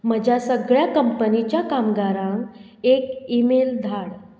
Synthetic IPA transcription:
məd͡ʑʱasəɡɭjakəmpənit͡ɕjakamɡaɾãŋk | ekimeld̪ʱaɽ

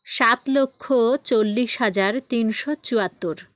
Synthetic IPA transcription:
ʃat̪lokʰːot͡ɕolːiʃɦad͡ʑaɾt̪inʃot͡ɕuat̪ːoɾ

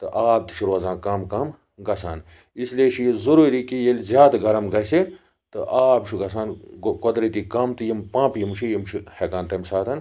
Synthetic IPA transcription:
t̪ɨ̰ʔaːb̚t̪i̥t͡ʃʰiɾoːzãːkaːmkɐːm | ɡɐsaːn | islieʃʰijizuɾuːɾikijelʲzʲjaːd̪ɡɐɾɐmɡɐsi | t̪ɨ̰ʔaːbt͡ʃʰuɡɐsaːnkod̪ɾit̪ikɐmt̪ɨjimpãːpjimt͡ʃʰijimt͡ʃʰihekaːnt̪ɐmsaːt̪ʰɐn

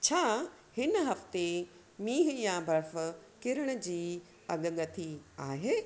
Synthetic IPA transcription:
t͡ɕʰaː | hɪnəɦɐft̪e | miːɦjãbʱɐɾfəkɪɾəɽ̃ə̆d͡ʑiː | ɐɠɠɐt̪ʰiaːɦeː

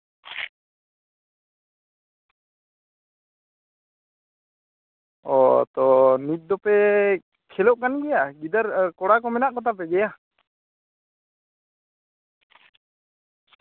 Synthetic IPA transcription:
ɔ̰t̪ɔnit̪̚ˀd̪ɔpɛ | kʰɛlɔʔkanɡɛjaɡid̪aɾkɔɽakɔmɛnaʔkɔt̪ap̬ɛɡɛja

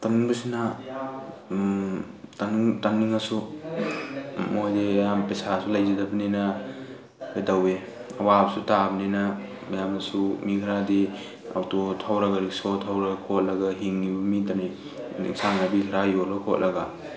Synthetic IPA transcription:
tanniŋbɐsina | tanŋtaniŋasu | mojdejampesasulajzidabɐnena | ajdawe | ɐwabsutabnena | mɐjamasumikʰɾadi | a̰wtotʰawɾaɡaɾik̚sotʰawɾaɡkʰot̚laɡaɦiŋːibɐmidani | ḭk̚saŋnabilɾajolɡakʰot̚lʔɐɡa

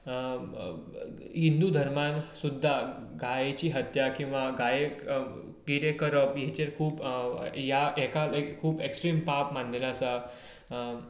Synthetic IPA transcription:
ɦind̪ud̪ʱəɾmansud̪ʱːa | ɡajet͡ɕiːɦət̪jakĩw̃ʋaɡaje | ɡiɽekəɾəpjɛt͡ɕeɾkʰuːpjaɛkaekʰuːbeksʈɾiːmpapmand̪elasa

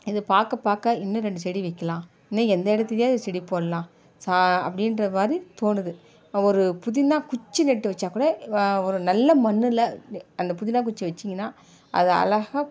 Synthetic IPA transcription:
ɪðɯpaːkɐpaːkɐɪnːɯ̃ɾɛɳɖɯsɛɽiʋɐɪkːɐlãː | ɪnːɯɛnd̪ɐɛɽɐt̪ːɯljeːɐðɯsɛɽipːoːlɐlãː | saɐ̰pːɐɽɪnɾɐmaːɾit̪oːnɯðɯ | ɔɾɯpʊðɪnãːkʊt͡ʃːɯnɛʈːɯʋɐt͡ʃːaːkuːɽɐɔɾɯnɐlːɐmɐnːɯlɐɐnd̪ɐpʊðɪnaːk̬ʊt͡ʃːɯʋɐt͡ʃːiŋɡɐnːaː | ʔɐ̰ðɯɐ̰lɐɣɐ

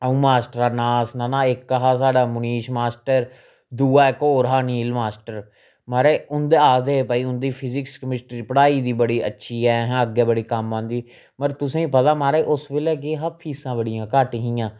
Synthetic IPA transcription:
əũːmaːsʈəɾaːnaːsnãːnãːɪkːəɦaːsaːɖaːmʊniːʃmaːsʈəɾ | d̪uːaːɪkoːɾɦaːnĩːɪlmaːsʈəɾ | maːɾeːʊnd̪eːaːd̪eːpaːiːʊnd̪iːpʰɪzɪkskəmɪsʈɾiːpəɽaːiːd̪iːbəɽiːə̰tːʃʰiːɛːɦɛ̃ːəɡːɛːbəɽiːkəmːãːnd̪iː | məɾt̪ʊsẽːĩːpət̪aːmaːɾeːʔʊsbeːlɛːk̬eːɦapʰiːsãːbəɽɪjãːkaːʈiːɦĩːãː

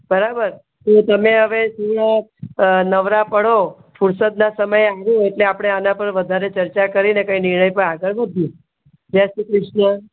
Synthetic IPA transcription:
bəɾabəɾ | t̪ot̪əmẽɦəʋesuʋɽa | nəʋɾapəɽo | fuɾsət̪̚nasəməjaʋjũeʈleapɽ̃eanãpəɾʋəd̪ʱaɾet͡ʃəɾt͡ʃakəɾinekainɪɾɳəjpə̃aɡəɭʋəd̪ʱjũ | d͡ʒesikɾɪʃɳə

